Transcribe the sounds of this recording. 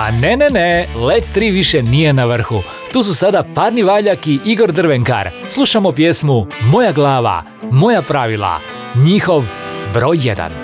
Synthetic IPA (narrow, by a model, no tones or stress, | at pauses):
a̰nenenelet̪t̪ɾiʋiʃenije̞naʋr̩xu | t̪uːs̬usad̪apaːɾniʋaːʎakiʔiɡo̞ɾd̪r̩ʋeŋka̰ɾ | slˠuʃamopjesmumo̞jaɡlˠaːʋa̰ | mo̞japɾaʋilˠa̰ | ɲixo̞ʋ | bɾo̞ːjːed̪a̰n